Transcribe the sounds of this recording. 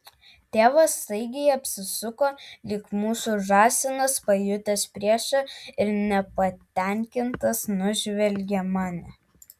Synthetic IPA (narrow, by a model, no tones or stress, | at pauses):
t̪ʲeːʋɐsːɐɪɡʲɛɪɐpʲsʲɪsʊkoːlʲɪkmuːsuːˑʒɑːsʲɪnɐspɐjʊt̪ʲɛspʲɾʲiɛʃɐɪɾnʲɛpɐt̪ʲɛˑŋʲkʲɪnt̪ɐsnʊʒʲʋʲɛlʲɡʲɛmɑːnʲɛ